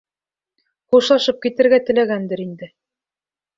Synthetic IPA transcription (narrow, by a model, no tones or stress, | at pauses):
χuʃlˠɑʃɤp̚kit̪ɘ̆ɾɡæt̪ɘ̆læɡænd̪ɘɾind̪ɘ